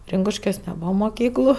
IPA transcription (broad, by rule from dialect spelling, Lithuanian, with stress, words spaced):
ˈrʲɪŋkʊʃʲkʲuɔs nʲɛˈbuːʋɐ moːˈkʲiːklˠʊ